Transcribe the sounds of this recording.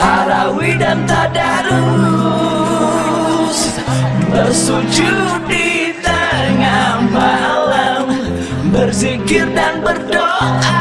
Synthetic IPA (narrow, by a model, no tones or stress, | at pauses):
ʔaɾawidant̪adaɾuu | s | bəsud͡ʒudit̪aŋamalam | bərzikɪrdanbərdoa